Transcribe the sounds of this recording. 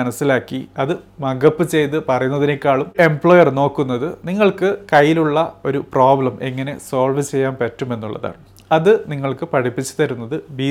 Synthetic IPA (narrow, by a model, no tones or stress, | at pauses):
ɐnɐsːilaːkːiɐðɨmɐɡɐpːɨt͡ɕe̞jt̪ɨpɐrɐjunːɐðinekʲːaːɭume̞mbɭo̞ːjɐrno̞ːkːunːɐðɨniŋːɐɭkɨkɐjːiluɭːɐo̞ɾuproːblɐme̞ŋːɐne̞̰soːɭʋɨt͡ɕe̞jːaːmpɐtːume̞nːuɭːɐ̰ða̰ːɳɨ | ɐðɨniŋːɐɭkɨpɐʈipːit͡ɕːu̥t̪ɐɾunːɐðɨbiː